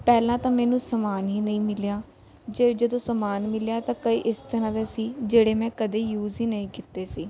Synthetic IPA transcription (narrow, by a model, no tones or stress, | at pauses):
pɛːlãːt̪ãːmɛːnũːsəmaːnɦiːnəĩːmɪljaː | d͡ʒeːd͡ʒəd̪õːsəmaːnmɪljaːt̪ãːkəiːʔɪst̪əɾãːd̪eːsiːd͡ʒeːɽeːmɛ̃ːkəd̪eːjuːziːnəĩːkɪt̪ːeːsiː